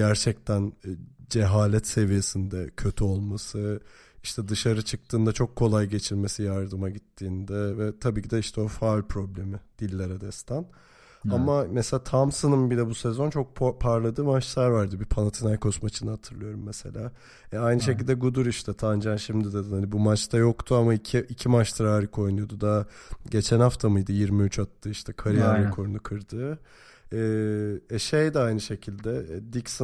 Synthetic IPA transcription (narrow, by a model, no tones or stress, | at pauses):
ɟæɾt͡ʃʰɛc̚t̪ʰænd͡ʒeɦaːlʲɛt̪se̞vije̞sind̪ɛcʰø̞t̪ʰyo̞lˠmasɯ | iʃt̪ʰɛd̪ɯʃaɾɯt͡ʃʰɯk̚t̪ʰɯːnd̪at͡ʃʰo̞kʰːo̞lˠajɟe̞t͡ʃʰilʲme̞sijaɾd̪ɯmaɟit̪ʰːiːnd̪ɛvɛt̪ʰabiːcʰid̪ɛiʃt̪ʰɛo̞falʲpʰɾo̞blʲemɪd̪̥ilʲːeɾɛd̪ɛst̪ʰæn | amamɛselʲaːt̪ʰamsɯnɯmbilʲɛbusɛzo̞nt͡ʃʰo̞k̚pʰaɾlˠad̪ɯːmat͡ʃsaɾvaɾd̪ɯbipʰanat̪ʰinajkʰo̞smat͡ʃʰɯnaɦat̪ʰɯɾlˠɯjo̞ɾumːese̞̰lʲaː | ɛajnɯʃ̬ecilʲd̪ɛɡud̪uɾiʃt̪ʰɛt̪ʰand͡ʒanʃimd̪id̪ed̪inhanibumat͡ʃt̪ʰajo̞kt̪ʰuamaicʰiʔicʰimat͡ʃt̪ʰaɾaːɾikʰo̞jnujod̪ud̪aɟe̞t͡ʃʰænhaft̪ʰamɯjd̪ɯjiɾmiyt͡ʃʰat̪lːɯiʃt̪ʰɛkʰaɾijanɯnkʰo̞ɾunukʰɯɾd̪ɯː | ɛːɛʃejd̪ɛajnɯʃe̞cʰilʲd̪ɛd̪ics